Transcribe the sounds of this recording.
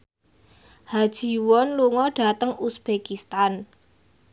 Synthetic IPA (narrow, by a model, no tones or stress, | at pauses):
had̥ʒ̥i̤wɔnluŋɔɖ̥a̤t̪əŋusb̥ekist̪an